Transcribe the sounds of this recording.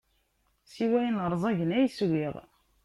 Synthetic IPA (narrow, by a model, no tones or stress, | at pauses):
siwæjənʁəɾˤzˤɑʝənæjswiðˤ